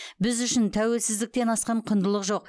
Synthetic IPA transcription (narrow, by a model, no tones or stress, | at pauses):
bɪzʏʃɪnt̪ʰæwe̞lsɪzd̪ɪk̚t̪e̞nɑsqɑɴqʰʊnd̪əlˠəqʒo̞q̚